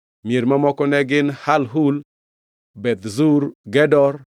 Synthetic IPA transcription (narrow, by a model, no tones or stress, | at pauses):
mieɾmamɔkɔnɛɡɪnhalɦul | bɛt̪zuɾɡɛdɔɾ